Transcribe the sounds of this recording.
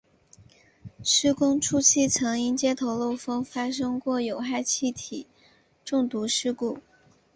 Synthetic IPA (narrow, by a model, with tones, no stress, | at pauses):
ʂɻ̩˥kʊ˥ŋʈ͡ʂʰu˥t͡ɕʰi˥˩t͡sʰɤ˧˥ŋi˥nt͡ɕjɛ˥t̪ʰo˧˥ʊlo˥˩ʊfɤ˥ŋfa˥ʂ̬ɤ˥ŋkwɔ˥˩jo˨˩ʊxa˥˧ɪt͡ɕʰi˥˩t̪ʰi˨˩˦ | ʈ͡ʂʊ˥˩ŋt̪u˧˥ʂɻ̩˥ku˥˩